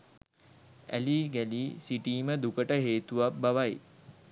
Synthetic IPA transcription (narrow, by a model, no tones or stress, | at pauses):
æ̰liːɡæliːsiʈiːməd̪ukəʈəɦeːt̪uʋap̚baʋaj